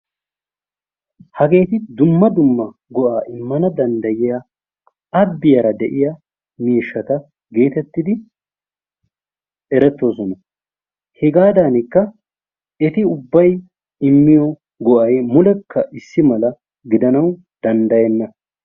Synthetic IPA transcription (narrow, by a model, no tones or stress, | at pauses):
hɐɡe̞ːt̪ɪd̪ʊmːɐd̪ʊmːɐ | ɡɔʔaːʔɪmːɐnɐd̪ɐnd̪ɐjɪjɐ | ɐbːɪjɐɾɐd̪ɛʔɪjɐ | miːʃːɐt̪ɐ | ɡe̞ːt̪ɛt̪ːɪd̪ɪ | ɛɾɛt̪ːo̞ːsɔnɐ | hɛɡaːd̪aːnɪkːɐ | ɛt̪ɪʊbːɐj | ɪmːɪjɔ | ɡɔʔɐjmʊlɛkʰːɐʔɪsːɪmɐlɐ | ɡɪd̪ɐnɐw | d̪̥ɐnd̪ɐjɛnːɐ